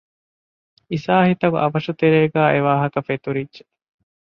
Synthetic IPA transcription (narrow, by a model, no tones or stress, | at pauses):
isaːhit̪ɐɡṵʔɐʋɐʃut̪eɾeːɡæːʔeʋaːɦɐkɐfet̪uɾidːʒe̥